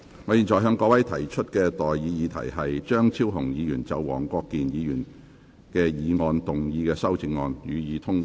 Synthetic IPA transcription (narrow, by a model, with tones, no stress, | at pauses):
ŋɔː˨˧jiː˨nt͡ʃɔː˨˩jɦœː˨˧ŋkɔː˧wɐ˨˥jt̪ʰɐ˨˩jt͡ʃʰɵ˥t̚kɛː˧t̪ɔː˨jjiː˨˧jiː˨˧t̪ʰɐ̰˨˩jɦɐ˨jt͡ʃœː˥ŋt͡sʰiː˥wɦʊ˨˩ŋjiː˨˧jyː˨˩nt͡sɐ˨˧wwɔ̰ː˨˩ŋkɔː˧kːiː˨njiː˨˧jyː˨˩n | kɛː˧jiː˨˧ŋɔː˧nt̪ʊ˨ŋjiː˨˧kɛː˧sɐ˥wt͡sɪ˧ŋŋːɔː˧njyː˨˧jiː˨˧t̪ʰʊ˥ŋ